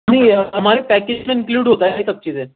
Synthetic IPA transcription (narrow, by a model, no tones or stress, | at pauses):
aɽ̃iəmaɾepæked͡ʑneinkluːɽɦot̪ajet̪ək̚t͡ɕid̪e